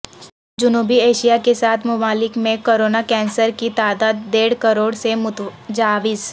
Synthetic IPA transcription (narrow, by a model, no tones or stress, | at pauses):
d͡ʒʊnuːbieːʃijakesaːt̪ʰmʊmaːlɪkmẽkoːɾoːnakɛ̃ːnsəɾkit̪aːd̪aːd̪ːeːɽkɐɾoːɽsemʊt̪d͡ʒaːʋɪs